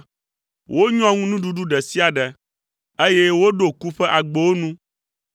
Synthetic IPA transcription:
wʔo˦ɲɔ̃˦ŋũ˦nũ˦ɖu˦ɖu˦ɖɛ˨si˦a˨ɖɛ˨ | e˦je˦wo˦ɖo˨ku˦ɸɛ˦ʔa˨ɡ͡bo˨wo˦nũ˦

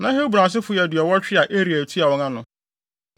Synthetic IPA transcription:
nã˨˦he˦bu˨ɾã˨s̬ɪ˦fʊ˨˦jɛ˨dɪ˨ɔ˨wɔ˦t͡ɕᶣɪ˦a˨ʔe˦ɾi˨æ˨tʰi˦a˨wɔ̃˦ŋã˦nʊ̃˨

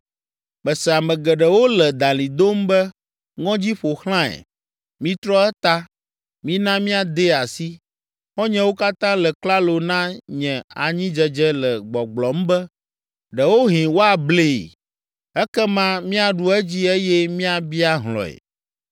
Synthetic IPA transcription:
mɛ˨sɛ˨a˨mɛ̃˨ɡɛ˨ɖɛ˨wo˦lɛ˨d̪ã˨lĩ˨d̪o˦mbɛ˦ | ŋɔ̃˦d͡ʑi˦ɸo˨xl̃ã˦ɛ̰˨ | mĩ˦t̪ɾɔ˦ɛ˦t̪a˦ | mĩ˦nã˦mĩ˦a˨d̪e˦a˨si˦ | xɔ˦ɲɛ̃˦wo˦ka˦t̪ã˦lɛ˨k͡pla˦lo˨nã˦ɲɛ̃˨a˨ɲĩ˦d͡ʒɛ˨d͡ʒɛ˦lɛ˨ɡ͡bɔ˨ɡ͡blɔ˨m̩˦bɛ˦ | ɖɛ˨wo˦ɦĩ˨wo˦a˨ble˦˨ | ɛ˦kɛ˦mã˦mĩ˦a˨ɖu˦ɛ˦d͡ʑi˦e˦jɛ˦mĩ˦a˨bi˦a˦ɦlɔ̰˨ɛ̰˨

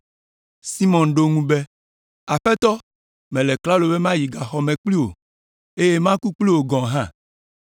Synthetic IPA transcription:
si˦mɔ̃˨nɖo˦ŋũ˦be˦ | a˨ɸɛ˦t̪ɔ˦ | mɛ̃˨lɛ˨kla˦lo˨be˦mã˦ji˨ɡa˨xɔ˨mɛ̃˨k͡pli˦wo̰˨ | e˦je˦mã˦ku˦k͡pli˦wo˨ɡɔ̃˨ɦã˦˨

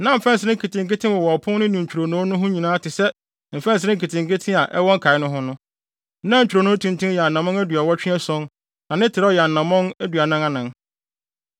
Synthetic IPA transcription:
nã˨˦m̩˨fɛ̃˦n˨s̬ɪ˦ɾɪ̃˦ŋ̩˦kʰi˨tʰɪ̃˨ŋkɪ˦tʰɪ̃˦wɔ˨wɔ˨ɔ˨pʰʊ̃˦nnɪ̃˦nĩ˨ɲ̩˨t͡ɕᶣu˨ɾo˨nɔ̃˨˦nʊ̃˦ɦʊ̃˦ɲĩ˨nãː˨˦tɪ˨sɛ˦ | m̩˨fɛ̃˦n̩sɪ˨ɾɪ̃˦ŋ̩˦ki˨tʰɪ̃˨ŋkɪ˦tʰɪ̃˦a˨ʔɛ˦wɔ̃˦ŋ̩˦kʰa˨ɪ˦nʊ̃˦ɦʊ̃˦nʊ̃˦ | nã˦˨t͡ɕᶣɾo˨nʊ̃ː˨˦tʰũ˦ntʰũ˦jɛ˨a˨n˨nã˨mɔ̃˦ŋæ˦dɥa˨wɔ˦t͡ɕᶣɪ̃˦ɛ˦sɔ̃˦n | nã˨nɪ̃˦tʰɪ˨ɾɔ˦jɛ˨a˨n˨nːã˨mɔ̃˦ŋæ˦dɥa˨nã˦ŋa˦nã˨ŋ

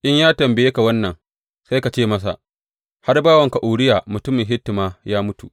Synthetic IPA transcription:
ʔɪ˦ɲjaː˦tɐ˨mbɪ˨jeː˦ka˨wɐ˦nːɐ˨ŋ | sa˦jka˨t͡ʃeː˦mɐ˦s̬a̰˨ | ha˦rbaː˦wɐ˨ŋka˨ʔuː˨ɽɪ˦jaː˨mʊ˨tʊ˦mɪ˨ŋɦɪ˦tːɪ˨maː˦jaː˦mʊ˦tu˨ʔ

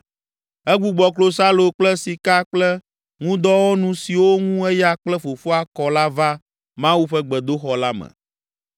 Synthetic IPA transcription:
ɛ˦ɡ͡bu˨ɡ͡bɔ˨klo˨sa˦lo˨k͡plɛ˦si˨ka˦k͡plɛ˦ | ŋũ˦d̪ɔ˦wɔ˦nũ˨si˨wo˦ŋũ˦ɛ˦ja˦k͡plɛ˦fo˨fo˦a˦kɔ˨la˦va˦ | mã˦wu˦ɸɛ˦ɡ͡bɛ˨d̪o˦xɔ˨la˦mɛ̰̃˨

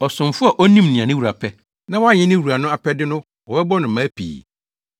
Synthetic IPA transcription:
ɔ˨sʊ̃˨mfʊ˦a˨ʔɔ˦nĩ˦mnĩ˨ã˨nɪ̃˦wu˨ɾa˨pʰɛ˦ | nã˦wɔ˦a˦˨ɲɪ̃˦nɪ̃˦wu˨ɾa˨nʊ̃˦a˨pʰɛ˦dɪ˦nʊ̃˦ | wɔ˨bɛ˦bɔ˦nʊ̃˨m˨mãː˨˦pʰḭː˨

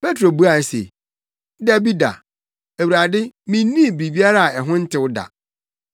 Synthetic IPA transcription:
pe˦tʰɾo˨bu˦a˨ɛ˦sḛ˨ | da˦bi˦da̰˨ | æ˨wu˨ɾa˨dɪ˦mĩ˦nːĩ˦˨bi˨bi˦a˦ɾa˦a˨ɛ˨ɦʊ̃˦n̩˦tʰɪ˦wʊ˦da̰˨

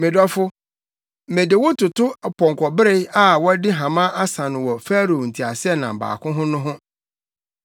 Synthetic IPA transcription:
mɪ̃˨dɔ˦fʊ˦˨ | mẽ˨dɪ˨wʊ˦tʰʊ˨tʰʊ˦˨pʰɔ̃˨ŋ˨kʷʰɔ˨bɪ˦ɾe˦a˦wɔ˦dɪ˦ɦã˨mã˦ʔa˦sã˨nʊ̃˨wɔ˨fæ˦ɾo˨n̩˨tʰi˨a˨sɪ˦ɛ˦nã˨m̩˨ba̰ː˨kʰʊ̃˦ɦʊ̃˦nʊ̃˦ɦʊ̃˦

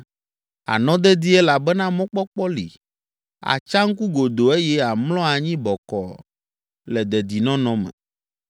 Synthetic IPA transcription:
a̰˨nɔ̃˦d̪ɛ˦d̪i˦ɛ˦la˨bɛ˦nã˦mɔ̃˦k͡pɔ˦k͡pɔ˦lḭ˨ | a̰˨t͡ʃa˦ŋ̩˦ku˦ɡo˨d̪o˨e˦jɛ˦a˨mlɔ̃˦a˨ɲĩ˦bɔ˨kɔ̰˨ | lɛ˨d̪ɛ˨d̪i˨nɔ̃˦nɔ̃˦mɛ̰̃˨

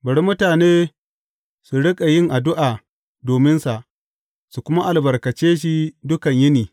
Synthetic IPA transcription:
bɐ˨ɽi˦mʊ˦taː˨neː˦ | su˨ɽɪ˦kʼa˨jɪ˦ŋʔa˨dʊ˦ʔaː˨ | doː˨mɪ˦nsa˨ʔ | su˨kʷʊ˦ma˦ʔa˨lbɐ˨rkɐ˨t͡ʃeː˦ʃ̬i˦dʊ˦kɐ˨ɲjɪ˦niː˨

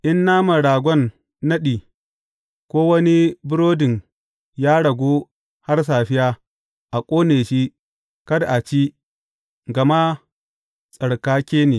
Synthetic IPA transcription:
ʔɪ˦nːaː˦ma˨ɽaː˨ɡʷɔ˦nː | ɐ˦ɗiː˨ | kʷoː˦wɐ˦ni˦bʊ˦ɾoː˦dɪ˨ŋ | jaː˦ɽɐ˨ɡʷoː˦ | ha˦rs̬aː˨ɸɪ˦jaː˦ | ʔa˨kʷʼoː˦neː˨ʃi˦ | kɐ˦dʔa˨t͡ʃi˦ | ɡɐ˨ma˦ | sʼɐ˨ɽkaː˦kʲeː˦neː˨

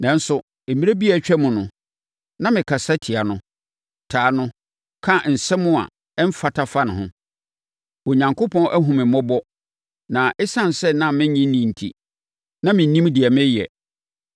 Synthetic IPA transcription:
nã˨n̩˦sʊ˨ | e˨mi˦ɾe˦bi˦a˦˨t͡ɕᶣɛ˦mʊ̃˨nʊ̃˨ | nã˦mɪ̃˨kʰa˨sa˦tʰi˨a˨nʊ̃˦ | tʰaː˨nʊ̃˦ | kʰã˦˨n̩˨sɛ̃˦mʊ̃˦a̰˨ | ɛ˦m̩˦fa˨tʰa˦fa˦nɪ̃˨hʊ̰̃˦ | o˨ɲã˨ŋkʰo˦pʰɔ̃˦ʔæ˦ɦũ˨mɪ̃˨mɔ̃˦bɔ˦ | nã˨ʔɪ˦sã˦n˨sɛ˦nã˦mɪ̃˦ɲĩ˦nĩ˨n̩˨tʰḭ˨ | nã˦mɪ̃˨˦nĩ˦mdɪ˨ɛ˨mɪ̃˦jɛ̰˨

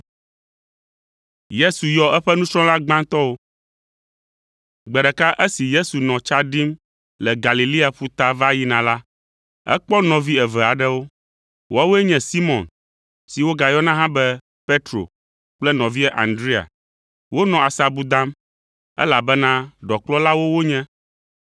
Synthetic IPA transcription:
je˦su˨jɔ˨˦ʔɛ˦ɸɛ˦nũ˦sɾɔ̃˦la˦ɡ͡bã˦ŋt̪ɔ˦wo˦ | ɡ͡bɛ˨ɖɛ˨ka˦ʔɛ˦si˨je˦su˨nɔ̃˨t͡ʃa˦ɖi˦m | lɛ˨ɡa˨li˨li˦a˨ɸu˦t̪a˦va˦ji˦nã˨la˦ | ɛ̰˦k͡pɔ˦nɔ̃˨vi˦ɛ˨vɛ˨a˨ɖɛ˦wo˦ | wo˦a˦wo˦ɛ˦ɲɛ̃˨si˦mɔ̃˨n | si˨wo˦ɡa˨jɔ˦nã˦ɦã˦bɛ˦ | pe˦t̪ɾo̰˨ | k͡plɛ˦nɔ̃˨vi˦ɛ˦ʔa̰˨nd̪ɾi˦a̰˨ | wo˦nɔ̃˨a˨sa˨bu˦d̪ã˦m | ɛ̰˦la˨bɛ˦nã˦ɖɔ˨k͡plɔ˦la˦wo˦wo˦ɲɛ̃˦

